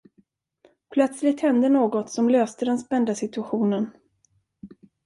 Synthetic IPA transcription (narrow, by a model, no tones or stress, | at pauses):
pʰlœt̪slɪt̪hɛnd̪ənoːɡɔt̪sɔmløːst̪əd̪ɛnspɛnd̪asɪt̪ɵaɧuːnən